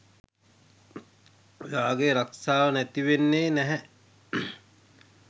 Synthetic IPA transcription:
jaːɡeɾaksaːʋənæt̪iʋenːeːnɛɦɛ

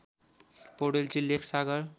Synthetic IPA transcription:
poɽelt͡silːekʰsaɡʌɾ

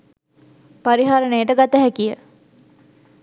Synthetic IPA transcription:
paɾiɦaːɾəneːʈəɡat̪əɦɛkijə

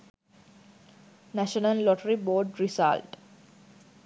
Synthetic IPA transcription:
næʃənəllɔʈəɾiboːɖɾisa̰lʈ

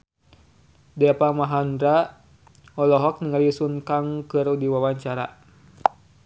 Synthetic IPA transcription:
dɛapamaɦandɾa | ɔlɔɦɔk̚niŋalisuŋkaŋkɨrudiwawaɲt͡ʃaɾa̰

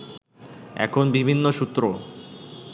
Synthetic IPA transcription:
ɛ̰kʰonbibʱinːoʃut̪ːɾo

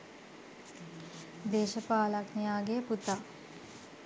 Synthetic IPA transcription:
d̪eːʃəpaːlaknijaːɡejəput̪a

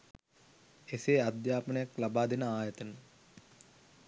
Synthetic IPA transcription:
eseːad̪jaːpənəjaklabaːd̪enəaːjɐt̪ənə

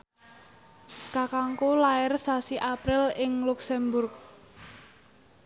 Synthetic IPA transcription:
kakaŋkolaɪrsasiʔapɾɪlɪŋluksɛmbʊrk̚

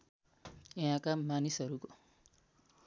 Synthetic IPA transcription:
eɦãkamanisɦʌɾuko

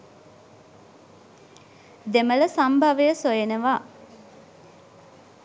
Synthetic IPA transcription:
d̪emələsambʱaʋəjəsojenəʋa

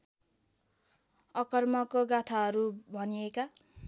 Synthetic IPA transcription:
ʌkʌrmʌkoɡat̪ʰaɦʌɾubʱʌnieka

